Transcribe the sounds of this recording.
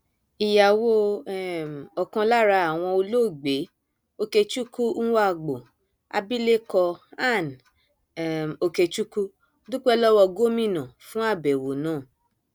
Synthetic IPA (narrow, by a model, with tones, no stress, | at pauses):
i˨ja˨wo˧˦m˨ɔ˨kã˧la˦ɾa˧a˨w̃ɔ̃˧o˧lo˦˨ɡ͡be˨˦ | o˧ke˧t͡ʃu˦kũ˦wa˦˨ɡ͡bo˨ | a̰˧bi˦le˦kɔ˧a˦˨n˨ | o˧ke˧t͡ʃu˦ku˦ | du˦k͡pɛ˦lɔ˦wɔ˧ɡo˦mĩ˦˨nã˨fũ˦a˦˨bɛ˨wo˨˦nãː˦˨